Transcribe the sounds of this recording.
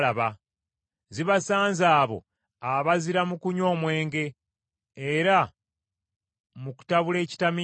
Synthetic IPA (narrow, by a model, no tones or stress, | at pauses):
aβa | ziβasaːnzaːβo̞̰ | aβaziɾamukuɲo̞ːmwe̞ːŋɡe̞ː | ɾa | muku̥taβule̞ːci̥tami